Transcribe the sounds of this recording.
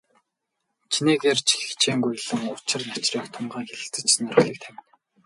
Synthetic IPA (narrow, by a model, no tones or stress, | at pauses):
t͡ɕʰineːɣeːrt͡ɕʰi̥xɘ̥xt͡ɕʰeːŋɡuj̆ɮə̆ŋʊt͡ɕɪ̆rnat͡ɕriːkt̪ʰʊmɢaːŋxeɮɘ̆t͡sɘ̥̆t͡ɕsnɔrə̆χɮiːk̚t̪ʰæwʲɪ̆n